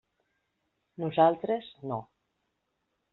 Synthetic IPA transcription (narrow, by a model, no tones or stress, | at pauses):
nuzalˠt̪ɾezno